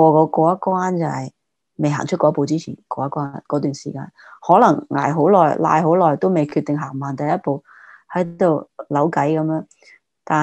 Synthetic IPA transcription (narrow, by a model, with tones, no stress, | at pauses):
ɔː˧kɔː˨˧kɔː˧jɐ˥kwaː˥nt͡sɐ˨hɐ˨j | me˨jɦa̰ː˨˩ŋt͡ʃʰt̚kɔː˧˥po˨˧wt͡siː˥t͡sʰiː˨˩nkɔː˧jɐ˥kwaː˥nkɔː˨˥t̪yː˨˩nsiː˨˩ka̰ː˧n | hɔː˨˥lɐ˨˩ŋŋa̰ː˨˩jɦo˨˥wlɔː˨˩jla̰ː˧jɦo˨˧˥wlɔː˨˩jt̪o˥wme˨˩jkʰy˧t̪ɪ˨ŋɦaː˨˩ŋmaː˨nt̪ɐ˨jɐ˥t̚po˨˧w | hɐ˨˥jt̪o˨wlɐ˨˥wkɐ˨˥jkɐ˨˧˥mjœː˨˧˥ŋ | t̪aː˨˩